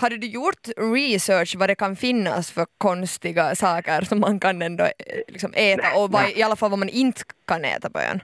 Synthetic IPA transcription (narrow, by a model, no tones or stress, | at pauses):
had̪ːədʉjuɾt̪ɾisøːʂvad̪ɛkɑnfɪnːa̰sfœɾkʰɔnst̪ɪɡasɑːkəɾsɔmːankɑnːɛnd̪ɔ̰lɪ̰ksɔmʔeːt̪aʔɔvaɪɑlːafalːʋamanʔɪnt̪kɑnḛːt̪abœ̰ja̰n